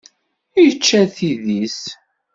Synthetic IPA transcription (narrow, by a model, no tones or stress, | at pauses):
jət͡ʃːæθiðis